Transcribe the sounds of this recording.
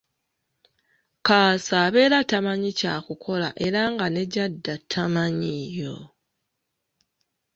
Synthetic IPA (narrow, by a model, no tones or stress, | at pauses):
kaːsaːβe̞ːɾatamaɲicaːkukʰo̞la̰ʔe̞ɾaŋɡane̞ɟadːatʰamaɲijo̞